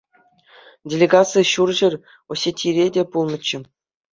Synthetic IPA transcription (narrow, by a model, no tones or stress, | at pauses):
dʲelʲeɡasɨjɕurʑɘ̆rʲ | ŏsʲetʲʰːiɾʲedʲepulˠmɤ̆t͡ɕːɘ̆